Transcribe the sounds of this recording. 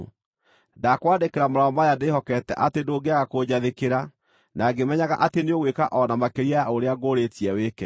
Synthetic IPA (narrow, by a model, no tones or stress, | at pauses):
dakwadekeɾamoɾaɔmajadehɔkɛtɛ̰ʔatedoːɡeaɣakoɲaðekeɾa | naɡemɛɲaɣa̰ʔateneoɣwekaʔɔnamakeɾiajaoɾeaɡoɾetiɛwekɛ